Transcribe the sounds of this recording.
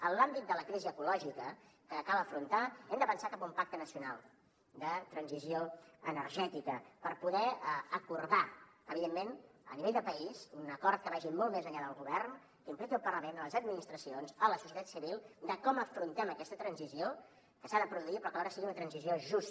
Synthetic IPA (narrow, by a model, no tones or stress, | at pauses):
ənlambit̪̚d̪ələkɾiziəkulɔʒikə | kəkalˠəfɾunt̪aɛmd̪əβənsakapaumpak̚t̪ənəsiuna̰lˠ | d̪ət̪ɾənzizioənəɾʒɛt̪ikəpəɾpuðɛəəkuɾða | əβiðemːenə̰niβeʎd̪əpəizunəkɔrt̪̚kəβaʒimɔlˠt̪mezəʎaðəlˠɣuβɛrn | kəimplikəlˠpərləmenələzəd̪̚minist̪ɾəsionzələsu̥sjət̪at̪siβilˠd̪əkɔməfɾunt̪ɛməkɛst̪ət̪ɾənzizio | kəsaðəpɾuðuipɾɔkəɔɾəsiɣiunət̪ɾənzizioʒus